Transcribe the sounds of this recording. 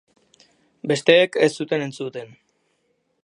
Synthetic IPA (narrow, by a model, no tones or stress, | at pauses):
be̞st̪e̞ːkest̪ːut̪e̞ne̞nt͡sut̪e̞n